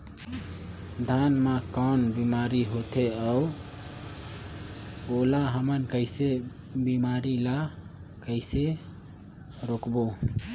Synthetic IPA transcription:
d̪ʱanmakɔnbimaɾiɦot̪ʰeau | olaɦəmənkəɪse | bimaɾila | kəɪse | ɾokbo

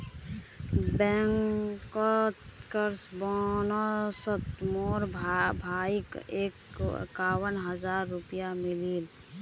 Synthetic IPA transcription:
bɛŋkɔt̪kəɾsbɔnosət̪moːɾbʱaːikeːkkaːwənɦəzaːɾːʊpijamɪliːl

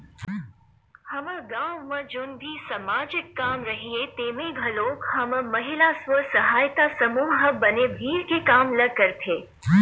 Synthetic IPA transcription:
hɐməɡaːwmə̃d͡ʒʊnbʱisɐmaːd͡ʒɪkːaːmɾɐɦiet̪eːmẽɡʱɐloːkhɐmmɐɦɪlasʋəsɐɦaːjt̪asɐmuːɦəbɐnebʱiːɾkekaːmlɐɡ̚kɐɾt̪ʰeː

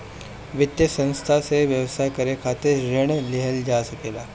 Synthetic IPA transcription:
ʋɪt̪jəsə̃nst̪ʰaseʋjəʋsakɐɾekʰaːt̪ɪɾɾɪɽ̃lɪɦəld͡ʒaːsɐkeːlaː

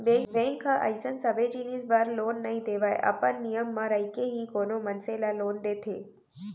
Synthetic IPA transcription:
bẽbẽŋkʰəʔə̰jsənsəbed͡ʒinisbaɾloːnːɐɦĩd̪eʋaj̰ʔɐ̰pənːijəmːãɾəjkeɦikonomənselaloːnd̪eːt̪ʰeː

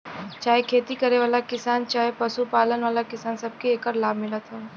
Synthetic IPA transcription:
t͡ʃaːɦekʰeːt̪ikɐɾeʋaːlakɪsaːnt͡ʃaːɦepɐsupaːlənʋaːlakɪsaːnsɐb̚kieːkəɾlaːbʱmɪlət̪ʰɦoː

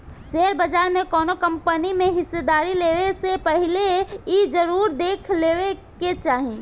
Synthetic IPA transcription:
ʃeɾbəd͡ʒaːɾmẽkɔːnokɐ̃mpənimẽɦɪsːed̪aːɾileːʋesepəɦɪleid͡ʒəɾuːɾd̪eːkʰleːweket͡ʃaːɦi

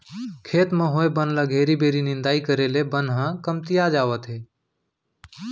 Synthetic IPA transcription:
kʰeːt̪mə̃ɦoebənləɡʱeːɾibʱeːɾinɪ̃nd̪aːikəɾeːlebənɦãkəmt̪ijad͡ʒaːʋət̪ɦeː

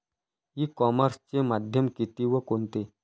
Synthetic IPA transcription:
ɦiːkɔməɾst͡ɕemad̪ʱjəmkit̪iʋəkont̪e

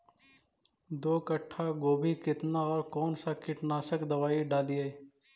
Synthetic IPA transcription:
d̪oːkəʈʰːaɡoːbʱikɪt̪naɔːɾkɔːnsakɪʈnaːsəkd̪ɐʋaːiɖaːlieː

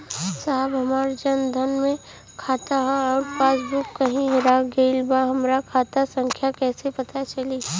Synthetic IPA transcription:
saːɦbɦɐmaːɾd͡ʒənd̪ʱənmẽ | kʰaːt̪aɦɔːɾpaːsbʊkːɐɦĩɦɪɾaɡeːlbaɦɐmɾakʰaːt̪asə̃ŋkʰjakɛːsepɐt̪at͡ʃɐli

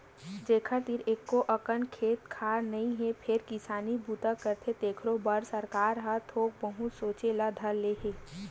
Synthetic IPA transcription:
d͡ʒeːkʰat̪iɾeːkːoʔɐkənkʰeːt̪kʰaːɾnɐɦĩɦɛpʰɪɾkɪsaːnibuːt̪akəɾt̪ʰet̪eːkʰɾobəɾsəɾkaːɾɦat̪ʰoːk̚bəɦusoːt͡ʃelad̪ʱɐɾleːɦeː

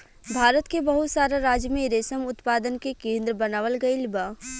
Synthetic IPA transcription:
bʱaːɾət̪kebəɦʊt̪saːɾaɾaːd͡ʒjmẽɾeːsəmʊt̪paːd̪ənkekẽːnd̪ɾəbənaːʋəlɡəɪlba

